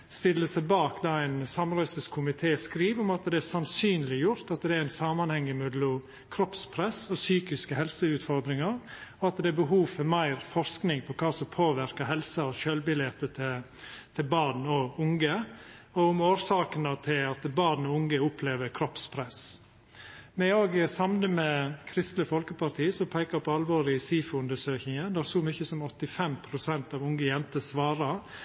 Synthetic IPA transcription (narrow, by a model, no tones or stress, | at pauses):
st̪ɪlːəsæɪbɑːkd̪ɑːæɪnsɑmɾœʏsəskʰʊmɪt̪ʰeːskɾiːʋʊmɑt̪d̪ɛæsɑnsyːnlɪjʊɾt̪ɑt̪d̪ɛæɾæɪnsɑːmɑnhɛŋːəmʉd̪lʊm | kʰɾɔpspʰɾɛsɔsyːkɪskəhɛlsəʉːt̪fɔɾd̪ɾɪŋɑɾɔɑt̪d̪ɛæɾbəɦuːfɔmæɪɾfɔɾsknɪŋpʰɔkʰɑːsɔmpʰoːʋɪɾkəɦɛlsɑɔʃøːlbɪljɛt̪ːət̪ʰɪ | t̪ʰɪlbɑːd̪n̩ɔʊŋɡə | ɔʊmoːɾsɑːkənɑt̪ʰɪlɑt̪bɑːd̪n̩ɔʊŋəʊpʰleːʋəɾkʰɾɔpspʰɾɛs | mɛoːɡsɑmnəmɛkʰɾɪst̪ləfɔlkəpɑɾt̪ʰiːsɔpʰæɪkɑpʰɔɑlʋoːɾɪsiːfəʉnd̪əʂøːçɪŋənd̪æsɔmʏçəsɔmɔt̪ːɪfɛmpʰɾʊsɛnt̪ɑʋʊŋɡəjɛnt̪əsʋɑːɾɑɾ